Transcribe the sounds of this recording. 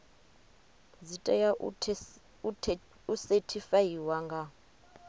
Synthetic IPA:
zitʼaja | usetʰifajiwaŋɡa

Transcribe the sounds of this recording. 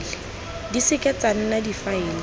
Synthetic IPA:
lɪ | disɪkʼɛt͡san̩nadifaɪːlɪ

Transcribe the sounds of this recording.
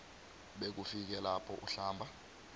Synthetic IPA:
ɓek̬ufik̬ɛlapʰɔʔuɬaːmbʱa

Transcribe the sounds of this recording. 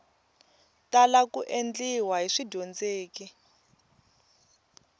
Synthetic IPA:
talakuʔend͡ɮiwaɦiʂidʱond͡zeːki

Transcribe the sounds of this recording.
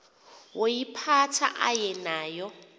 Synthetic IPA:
wojipʰatʰa̰ʔa̰jɛnaːjɔ

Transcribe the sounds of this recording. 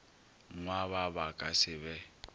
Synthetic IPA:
ŋwaβabakʼasɪβɛ

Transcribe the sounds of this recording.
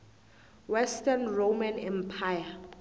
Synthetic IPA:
wɛstʰʼanromãnɛmpʰaja

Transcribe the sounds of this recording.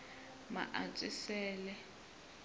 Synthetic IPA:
ma̰ʔat͡sʼɪsɛːlɛ

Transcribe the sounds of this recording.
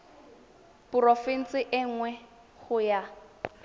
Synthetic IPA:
pʊrofin̩t͡sɪʔɪŋ̩ŋwɛ | χʊja

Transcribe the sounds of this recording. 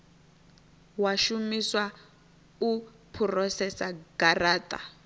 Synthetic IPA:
waʃumiswa | u | pʰurɔsɛsaɡ̥araːtʼa̰

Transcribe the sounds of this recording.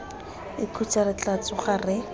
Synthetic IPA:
ɪkʰut͡sarɪt͡ɬat͡sɔχarɪ

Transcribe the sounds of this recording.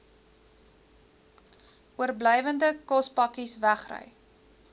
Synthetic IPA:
uərbləjvəndəkɔspɐkisvæχrə̰j

